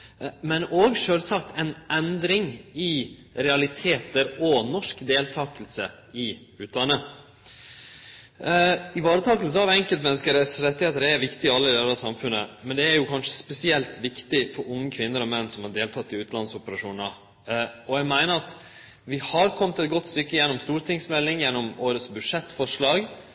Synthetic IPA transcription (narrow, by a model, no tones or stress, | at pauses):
mɛnoːɡʂøːlsɑkt̪ʰɛnʔɛnd̪ɾɪŋɪɾɛɑlɪt̪ʰeːt̪əɾɔnɔʂkd̪eːlt̪ʰɑːkəlsə | ɪ | ʉːt̪d̪ɑnːə | ɪʋɑːɾət̪ʰɑːkəlsəɑʋɛŋkəlt̪mɛnːəskəɾəsɾɛt̪ːɪheːt̪əɾæʋɪkt̪ɪɪɑlːəɪd̪ɛlɑsɑmfʉnːə̰mɛnd̪ɛæɾjʊkʰɑnʂə̥spɛsɪɛlt̪ʋɪkt̪ɪfɔɾʊŋːəkʰʋɪnːəɾɔmɛnːsɔmhɑɖeːlt̪ʰɑt̪ːɪʉːt̪lɑnsʊpəɾɑʂuːnə | ɔɛɡmæɪnəɾɑt̪ | ʋɪhɑɾkʰɔmːət̪ɛt̪̚ɡɔt̪ːst̪ʏkːəjɛnːɔmst̪uːɾt̪ʰɪŋsmɛlːɪŋjɛnːɔmoːɾət̪sbʉd̪ʂɛt̪ːfɔʂɭɑːɡ